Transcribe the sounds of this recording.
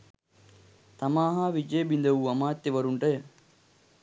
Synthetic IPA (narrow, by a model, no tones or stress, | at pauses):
t̪ɐmaːɦaːʋid͡ʒeːbind̪ɐʋuːɐmaːt̪jeʋɐɾuɳʈɐj